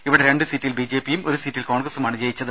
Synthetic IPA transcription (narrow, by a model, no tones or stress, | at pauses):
iʋiɽeɾe̞ɳɖɨsitːilbid͡ʑe̞ːpːijumo̞ɾusitːilko̞ːɳɡrɐsumaːɳɨd͡ʑejit͡ɕːɐðɨ